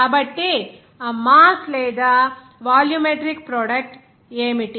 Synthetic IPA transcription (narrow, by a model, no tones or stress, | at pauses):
ɐbɐʈːe | maːsleːd̪ɐ | ʋaːljumeʈɾik̚pɾoːɖɐk̚ʈ | eːmiʈːi